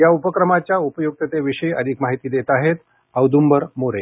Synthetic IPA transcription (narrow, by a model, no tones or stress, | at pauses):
jaupəkɾəmat͡ɕjaupəjuk̚t̪ət̪eʋiʂəjəd̪ʱikmaɦit̪iːd̪et̪aɦet̪ | əʋd̪umbəɾmoɾḛ